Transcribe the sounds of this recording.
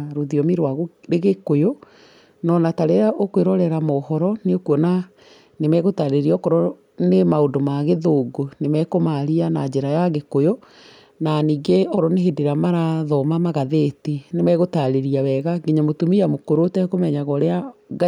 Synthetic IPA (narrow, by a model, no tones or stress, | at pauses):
ɾoðiɔmiɾwaɣɾeɣekojo | nɔnataɾeɾaʔokweɾɔɾɛɾamɔːhɔɾɔneokuɔna | nemɛɣotaɾeɾiɔkɔɾɔ | nemaodomaɣeðoɡonemɛkomaɾianad͡ʒeɾajaɣekojo | naniːɡeɔɾɔneɦedeɾamaɾaðɔmamaɣaðetinemɛɣotaɾeɾiawɛɣaɡeɲamotomiamokoɾotɛkomɛɲaɣɔɾeaɡ